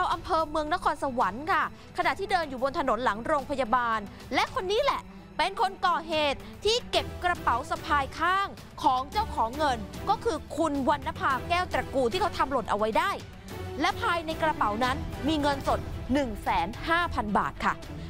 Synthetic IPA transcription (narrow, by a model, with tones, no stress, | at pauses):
ɾa˧wʔa˧mpʰɤː˧mɯ˧əŋna˦˥kʰɔː˧nsa˧wa˩˦nkʰa˥˩ | kʰa˧na˨˩t̪ʰiː˥˩dɤː˧njuː˨˩bo˧nt̪ʰa˧no˩˦nla˩˦ŋɾoː˧ŋpʰa˧ja˧baː˧n | lɛ˦˥ʔkʰo˧nːiː˦˥lɛ˨˩ʔ | pe˧nkʰo˧nkɔː˨˩ɦeː˨˩t̪̚ʰːiː˥˩ke˨˩p̚kɾa˧pa˨˩˦wsa˧pʰaː˧jkʰaː˥˩ŋ | kʰɔː˩˦ŋt͡ɕa˥˩wkʰɔː˩˦ŋːɤ˧nkɔː˥˩kʰɯː˧kʰu˧nwa˧nːa˦˥pʰaː˧kɛː˥˩wt̪ɾa˨˩kuː˧t̪ʰiː˥˩kʰa˦˥wt̪ʰa˧mlo˨˩t̪̚ʔa˧wa˦˥jdaː˥˩j | lɛ˦˥pʰaː˧jna˧jkɾa˧pa˩˦wna˦˥nmiː˧ŋɤ˧nso˨˩t̪̚nɯ˨˩ŋsɛː˩˦nhaː˥˩pʰa˧nba̰ː˨˩t̪̚kʰa˥˩